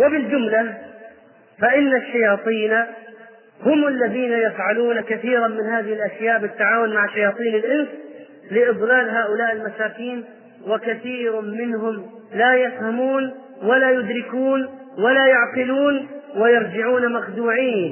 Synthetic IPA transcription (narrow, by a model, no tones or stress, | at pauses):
wɪbɪld͡ʒʊmla | faʔɪnːaʃːajɑːt̪ˤiːna | hʊmɪlːaðiːnajafʕaluːnakaθiːɾanmɪnhaːðɪhɪlʔaʃjaːʔbɪt̪ːaʕaːwʊnmaʕɪʃːajɑːt̪ˤiːnɪlʔɪns | lɪʔɨd̪ˤlaːlɦaːʔʊlaːʔɪlmasaːkiːn | wɪkaθiːɾmɪnɦʊm | lajɪfhamuːn | walajʊd̪ɾɪkuːn | walajaʕqɪluːnwɪjɑɾˤd͡ʒɪʕuːnamaxd̪uːʕiːn